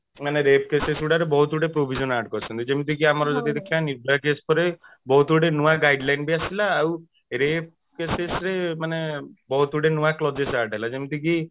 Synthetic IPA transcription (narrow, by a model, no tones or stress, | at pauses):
maneɾep̚kesesuɽaɾebɔɦut̪uɽepɾobʱid͡ʒɔnaʈkɔɾt͡ʃʰɔnt̪id͡ʒemit̪ikiamaɾɔd͡ʒɔt̪ied̪ekʰijanibɾakespɔɾe | bɔɦut̪uɽenuwaɡajɖlajnbiasilaːw | ɾep̚ | kesesɾemanebɔɦut̪uɖenuwaklɔd͡ʒesaʈaɦelad͡ʒemit̪iki